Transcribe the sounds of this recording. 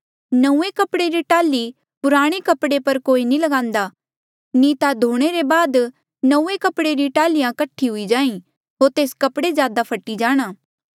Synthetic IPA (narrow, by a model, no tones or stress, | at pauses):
nɐũːekɐpɽeɾiʈaːli | pʊɾaːɽ̃ekɐpɽepɐɾkoːinĩlɐɡãːnd̪aː | niːt̪ad̪ʱoːɽ̃eɾebaːd̪ | nɐ̃ũːekɐpɽeɾiʈaːlɪjãkɐʈʰːiɦʊid͡ʒaːĩ | ɦoːɾt̪eːskɐpɽezjaːd̪apʰɐʈːid͡ʒaːɽ̃aː